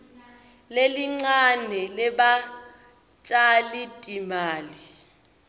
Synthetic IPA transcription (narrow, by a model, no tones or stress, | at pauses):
leliŋ͡ǀanɛlɛɓa | t͡ʃʼalitʼimaːli